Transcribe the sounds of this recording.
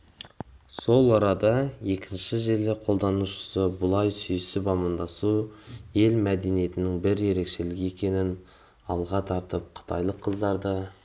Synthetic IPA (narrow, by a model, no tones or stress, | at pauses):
so̞lˠɑɾɑd̪ɑje̞kʲʰɪnʃɪʒe̞lɪqʰo̞lˠd̪ɑnuʃə̥səbʊlˠɑjsʏjsɪpɑmənd̪ɑsuje̞lmæd̪e̞nije̞t̪ɪnɪŋbɪɾje̞ɾe̞kʃe̞lɪɡʲe̞kʲe̞nɪn | ɑlˠʁɑt̪ʰɑɾt̪əp̚qʰə̥t̪ʰɑjlˠəqʰːəzd̪ɑɾd̪ɑ